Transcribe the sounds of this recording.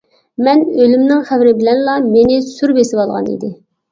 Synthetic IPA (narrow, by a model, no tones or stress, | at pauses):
mɛnølymnɪŋχævɾɪbɪlɛnlɑmenɪsyɾbesɪwɑlˠʁɑ̰nḭd̪ɪ